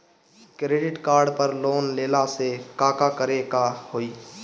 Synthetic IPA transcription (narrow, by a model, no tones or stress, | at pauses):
kɾeːɖɪʈkaːɾɖpəɾloːnleːlasekaːkakəɾekahoːiː